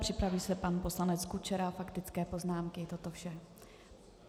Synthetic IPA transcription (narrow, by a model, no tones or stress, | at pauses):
pr̝̥ɪpɾaviːsɛpanpo̞slanɛt͡skut͡ʃɛɾafakt̪ɪt͡skɛːpo̞znaːmkɪt̪o̞t̪ofʃɛ